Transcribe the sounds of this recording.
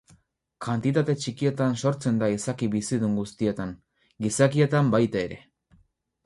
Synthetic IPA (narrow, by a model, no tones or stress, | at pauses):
kʰant̪it̪at̪e̞t͡ʃikie̞t̪anso̞ɾt͡se̞nd̪aisakiβisiðuŋɡust̪ie̞t̪aŋ | ɡisakie̞t̪ambajt̪ae̞ɾe̞̰